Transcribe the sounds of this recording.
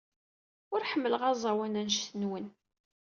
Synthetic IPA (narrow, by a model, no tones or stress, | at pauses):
ʊɾħəmːələʁɑzˤɑwænænʃθənwən